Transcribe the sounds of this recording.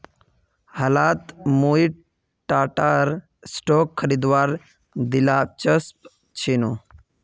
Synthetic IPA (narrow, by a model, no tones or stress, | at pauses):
halat̪moiʈ | ʈːaʈaɾ | sʈɔkʰːəɾid̪ʋaɾ | d̪ilat͡ɕəsp | t͡ɕʰeno